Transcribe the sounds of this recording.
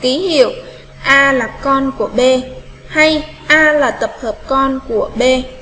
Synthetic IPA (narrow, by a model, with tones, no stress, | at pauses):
ki˨˦hḭ˧˨əw | ʔaː˧laː˨˩kɔ˧nku˧˩əɓe˧ | ha˧j | ʔaː˧laː˨˩t̪ə˨˩p̚həː˨˩p̚kɔ˧nku˧˩əɓe˧